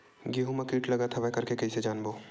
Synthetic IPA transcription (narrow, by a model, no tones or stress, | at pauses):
ɡiɦumɐkiːʈlɐɡat̪ʰɐʋɛkɐɾkekɐɦised͡ʒaːnboː